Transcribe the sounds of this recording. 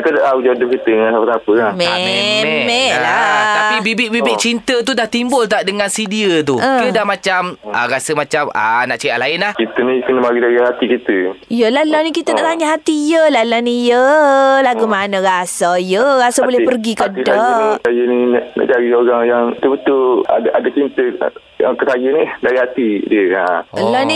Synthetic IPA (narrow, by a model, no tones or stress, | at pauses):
kədaʔaud͡ʒadəp̚kit̪əŋansapat̪apəkame | ɛlat̪apibibɪʔbibɪʔt͡ʃint̪ət̪̬udaht̪imbʊlt̪aʔdəŋãnsidiət̪̬uə̃iədahmat͡ʃamərasəmat͡ʃamana̰ʔt͡ʃeaʔlaɪnlahkit̪ənikənəmaɡid͡ʒaɾiɦat̪ikit̪əijəlalanikit̪ənaʔt̪aɲaɦat̪ijəlalanijəlaɡumanə̃ɾasaijərasabolɛpərɡikəisasajəninna̰ʔt͡ʃaɾioɾaŋjaŋt̪əbət̪ʊla̰daʔadat͡ʃint̪ə | jaŋkəsajənidaɾiɦat̪idiəaəlani